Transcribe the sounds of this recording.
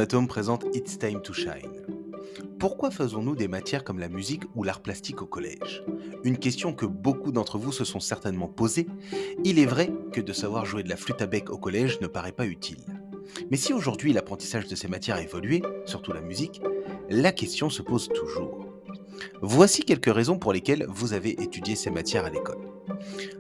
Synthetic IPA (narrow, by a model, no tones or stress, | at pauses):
at̪ompχezɑ̃t̪it̪st̪ajmt̪uʃa̰jn | puʁkwafəzɔ̃nud̪emat̪jɛʁkɔmlamyzikulaʁplast̪ikokɔlɛ̰ʒynkʲɛst̪jɔ̃kəbokud̪ɑ̃t̪χəvusəsɔ̃sɛʁt̪ɛnmɑ̃pozeilɛvʁɛkəd̪əsavwaʁʒuwed̪əlaflyt̪abɛkokɔlɛʒnəpaʁɛpayt̪ʰḭl | mɛsioʒuʁd̪ɥilapχɑ̃t̪i̥saʒd̪əsemat̪jɛʁaevɔlɥesyʁt̪ulamyziklakʲɛst̪jɔ̃səpozt̪ʰuʒṵːʁ | vwasikʲɛlkəʁezɔ̃puʁlekʲɛlvuzaveʔet̪yd̪jesemat̪jɛʁalekɔ̰l